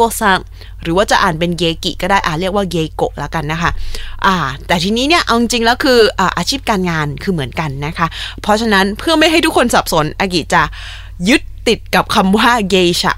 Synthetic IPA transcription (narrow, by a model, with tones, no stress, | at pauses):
əsa˥˩ŋ | ɾɯː˩˦waː˥˩t͡ɕa˨ʔaː˨˩npe˧nɡeː˧kḭ˨˩kɔː˥˩daː˥˩jʔaː˨˩ɾi˥˩k̚waː˥˩ɡeː˧ko̰˨˩ʔ̚la̰˦˥ka˧nːa˦˥kʰa˦˥ʔaː˨˧˩t̪ɛː˨˩t̪ʰiː˧niː˦˥ni˥˩ɐʔa˧wt͡ɕi˧ŋt͡ɕi˧ŋlɛː˦˥wkʰɯː˧ʔaː˨˩ʔaː˧t͡ɕʰiː˥˩p̚kaː˧nŋaː˧nkʰɯː˧mɯ˩˦ənka˧nːa˦˥kʰa˦˥pʰɾɔ˦˥t͡ɕʰa˧na˦˥npʰɯ˥˩əma˥˩jɦa˥˩t̪ʰu˦˥kːʰo˧nsa˨˩p̚so˩˦nʔa˧k̬i˨˩t͡ɕa˨˩ʔ | jɯ˦˥t̪̚ːi˨˩t̪̚ka˨˩p̚kʰa˧mwaː˥˩ɡeː˧t͡ɕʰa̰˨˩